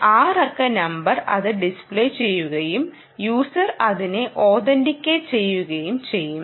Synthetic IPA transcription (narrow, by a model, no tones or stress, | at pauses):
aːrɐrkɐnɐmbɐrɐ̰ðɨɖispɭet͡ɕe̞jːuɣɐjum | juːsɐrɐðineʔo̞ːðɐndikʲːet͡ɕe̞jːuɣɐjumt͡ɕe̞jːum